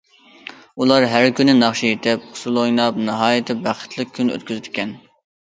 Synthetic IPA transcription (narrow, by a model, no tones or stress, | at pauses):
ulˠɑɾɦæɾkʲynɪnɑχʃijet̪ʰɪp̚χʰʊ̥sulˠojnɑpnɨɦɑːjɪt̪ʰɪbæχə̥t̪ʰlˠɨk̚ʲkʲʰːynø̰t̪̚kʲyzɪd̪ɪ̥kʲɛn